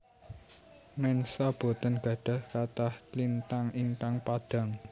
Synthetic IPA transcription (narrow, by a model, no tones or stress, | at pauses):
mɛnsɔb̥o̤t̪ənɡ̥ä̤ɖ̥a̤hkat̪ahtlint̪aŋiŋk̪aŋpad̥ä̤ŋ